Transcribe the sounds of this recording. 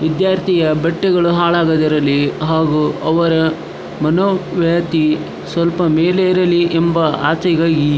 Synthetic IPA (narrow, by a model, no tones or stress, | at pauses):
ʋid̪jaːɾt̪ʰijɐbɛʈːɛɡɐɭuɦaːɭaːɡɐd̪ɐɾɐlːiɦaːɡuɐʋɐɾɐ | mɐnoːʋjat̪i | sʋɐlpɐmeːlejɐɾɐlːiembɐa̰ːt͡ʃɐɡaːɡi